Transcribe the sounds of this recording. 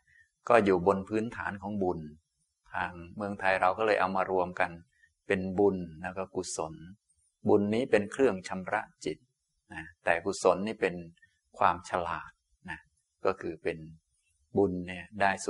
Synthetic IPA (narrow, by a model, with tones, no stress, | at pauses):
kɔː˥˩juː˨˩bo˧npʰɯː˦˥nt̪ʰa̰ː˩˦nkʰɔː˩˦ŋbu˧n | t̪ʰaː˧ŋmɯ˧əŋt̪ʰa˧jɾa˧wkɔː˥˩lɤː˧jʔa˧wmaː˧ɾu˧əmka˧n | pe˧nbu˧nlɛː˦˥˩wkɔː˥˩ku˨˩so˨˩˦n | bu˧nːiː˦˥˩pe˧nkʰɾɯ˥˩əŋt͡ɕʰa˧mɾa̰˦˥ʔt͡ɕi˨˩t̪̚ | na˦˥t̪ɛː˨˩ku˨˩so˩˦nːiː˥˩pe˧n | kʰwaː˧mt͡ɕʰa˧laː˨˩t̪̚ | na˦˥ | kɔː˥˩kʰɯː˧pe˧n | bu˧nːi˥˩ɐdaː˥˩jsu˨˩